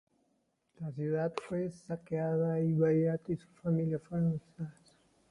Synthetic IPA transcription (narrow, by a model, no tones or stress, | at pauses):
lasjuðat̪fwesakeaðaiβajat̪isu̥familjafoɾõsas